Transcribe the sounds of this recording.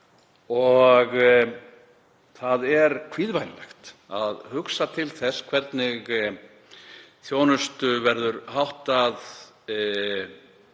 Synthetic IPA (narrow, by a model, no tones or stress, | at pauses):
ɔɣ | θaðɛɾkʰviːðvajnlɛ̰xt̪a̰ðhʏksat̪ʰɪlθɛskʰvɛɾt̪nɪɣ | θjoːwnʏst̪ʏvɛɾðʏɾɦawht̪að